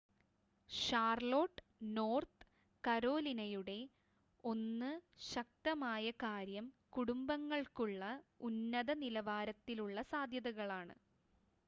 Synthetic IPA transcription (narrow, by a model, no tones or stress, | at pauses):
ɕaːrlo̞ːʈːɨno̞ːrt̪ɨ | kɐɾo̞ːlinɐjuɽe̞ | o̞nːɨɕɐk̚t̪ɐmaːjɐkaːɾjɐmkuɽumbɐŋːɐɭkuɭːɐunːɐðɐnilɐʋaːɾɐt̪ːiluɭːɐsaːd̪ʱjɐðɐɣɐɭaːɳɨ̰